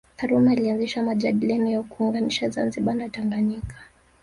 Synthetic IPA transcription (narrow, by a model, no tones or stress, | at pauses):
θaɾumailianziʃamaʄaɗilɛnɔjakuuŋɡaniʃazanziɓanataŋɡanikḁ